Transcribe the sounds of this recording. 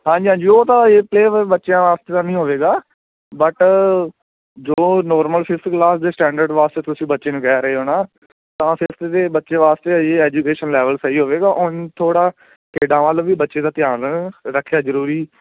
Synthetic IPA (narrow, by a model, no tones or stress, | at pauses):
ɦãːɲd͡ʒiːɦãːd͡ʒiːoːt̪ãːeːpleːʋbətːʃjãːʋaːst̪eːt̪ãːnəĩːɦoːʋeːɡaː | bəʈ | d͡ʒoːnɔːɾməlpʰɪsklaːsd̪eːsʈɛ̃ːɳɖəɾɖʋaːst̪eːt̪ʊsĩːbətːʃeːnũːkɛːɾəɦeːɦoːɽaː | t̪ãːsɪɾət̪t̪eːbətːʃeːʋaːst̪eːeːɛːd͡ʒuːkeːʃənlɛːʋəlsəiːɦoːʋeːɡaːʔʊnt̪ʰoːɽaː | keːɖãːʋaːlʋiːbətːʃẽːd̪aːt̪ɪjaːnɾəkʰːjaːzəɾuːɾiː